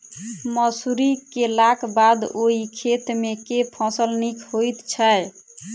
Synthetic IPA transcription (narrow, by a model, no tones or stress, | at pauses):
məsuɾikelakbad̪oɦikʰet̪mekepʰɔ̃səlnikhojt̪t͡ʃʰəj